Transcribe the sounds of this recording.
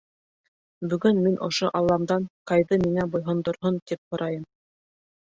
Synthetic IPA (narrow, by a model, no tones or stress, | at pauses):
bɵ̆ɡɵnminʔŏ̰ʃoʔɑlˠːɑmd̪ɑnqɑjðɤmiŋæbŏjɦŏnd̪ŏɾɦont̪ip̚hŏɾʔɑjɤm